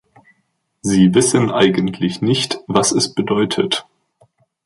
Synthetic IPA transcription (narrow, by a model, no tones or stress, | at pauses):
ziːvɪsənʔa̰ɪɡəntʰlɪçnɪçtvasɛsb̥ədɔʏtʰət